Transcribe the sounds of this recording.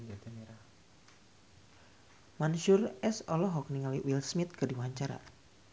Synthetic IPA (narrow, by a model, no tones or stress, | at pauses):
manuʃʊrɛsɔlɔɦɔk̚niŋaliwilsmɪt̪̚kɨrdiwaɲt͡ʃaɾa̰